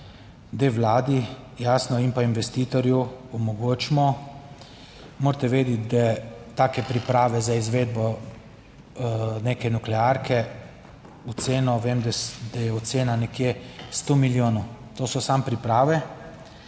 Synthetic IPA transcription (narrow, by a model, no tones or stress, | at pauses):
d̪eʋlaːd̪i | jaːsnɔimpainʋɛst̪iːt̪ɔɾjuɔmɔɡoːt͡ʃmɔ | moːɾt̪ɛʋeːd̪it̪d̪at̪aːkɛpɾipɾaːʋɛzaizʋeːd̪̚bɔ | nekɛnuklɛaɾkʰɛ | ut̪seːnɔʋemd̪d̪̥ajɛɔseːnanɛkjest̪omiljoːnut̪oːsɔsampɾipɾaːʋɛ